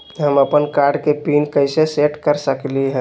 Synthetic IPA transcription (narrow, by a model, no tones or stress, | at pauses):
ɦəməpənkaɾɖkepinkəɪseseʈkəɾsəkliɦɛː